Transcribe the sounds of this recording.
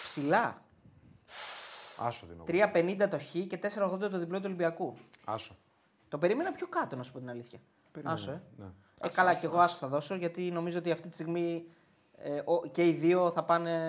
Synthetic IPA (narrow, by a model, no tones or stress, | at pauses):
psilɐ | ɐ̰soðḭn̰t̪ɾiɐpe̞nind̪ɐt̪o̞çice̞t̪e̞seɾɐoɣðo̞nd̪ɐt̪oðiplot̪̬uolibiɐkuɐ̰so | t̪o̞pe̞ɾime̞nɐpço̞kɐt̪o̞nɐsu̥pot̪inɐliθçɐ | ɐsoen | ekɐlɐce̞ɣoɐso̥θɐðo̞soʝɐt̪ino̞mizo̞ot̪iɐft̪it̪i̥st̪iɣmi | eʔoce̞iðio̞θɐpɐne̞